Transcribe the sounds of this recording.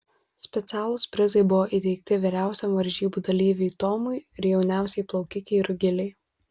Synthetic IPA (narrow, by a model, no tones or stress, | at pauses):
sʲpʲɛt̪sʲæːlˠʊspʲɾʲɪzɐɪbʊʋoːʔiˑt̪ʲɛɪk̚t̪ʲɪʋʲiɾʲæˑʊsʲɛmʋɐɾʲʒʲiːbuːd̪ɐlʲiːʋʲeɪt̪ɔːmʊɪɪɾjɛʊnʲæˑʊsʲɛɪplˠɐʊkʲɪkʲɛɪɾʊɡʲɪlʲɛɪ